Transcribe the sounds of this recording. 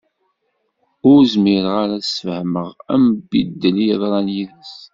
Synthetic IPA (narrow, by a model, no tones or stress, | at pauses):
ʊɾzmɪɾʁaɾasəfhməʁæ̰mbid̪ːəliðɾˤɑnjiðæs